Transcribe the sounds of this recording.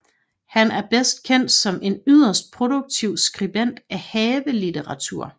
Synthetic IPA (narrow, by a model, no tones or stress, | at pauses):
hænæɐb̥esd̥kʰen̰d̥sɒ̽mʔe̝nyð̞̰ˠɐsd̥̚pʰʁo̝d̥uɡ̥̚t͡sʰiʊ̰sɡ̥ʁib̥en̰d̥æhɛːʋəlit͡sʰeʁɑ̈t͡sʰuɐ̰